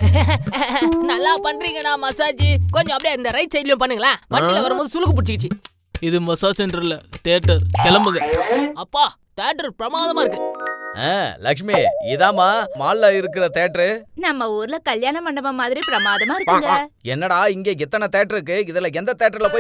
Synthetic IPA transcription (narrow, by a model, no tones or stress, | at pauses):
nɐlːaːpɐɳːɾiːŋɡɐnãːmɐsaːd͡ʒikɔɲd͡ʒɔ̃ɐpːɐɽiɪnd̪ɐɾɐɪt̪sɛjɪlɪjʊ̃pɐnːɯŋɡɐlãːʋɐʈːɪlɐʋɐɾɐmboːðɯsʊlːɯkːɯp̬ʊɽɪt͡ʃːɯkːɪt͡ʃːɯ | ɪðɯmɐsaːsɛnɖɾɐlɐʈ̪eːʈːɐɾkɛlɐmbɯɣɐɐpːaː | ʈ̪eːʈːɐɾpɪɾɐmaːðɐmaːɪɾɯkːɯḛ̃ːlɐ̰kʂmiɪðaːmaːmaːllaːɪɾɯkːɪɾɐt̪eːʈɾɯnɐmːɐuːɾɯlɐkɐljaːnɐpɐɳɖɐmɐmaːðɪɾipɾɐmaːðɐmaːɪɾɯkɯŋɡɛnːɐɽaːɪŋɡeːɛt̪ːɐnɐt̪eːʈɾɯk̬ːɯɪðɐlɐɛnd̪ɐt̪eːʈːɐɾɪlɐpoː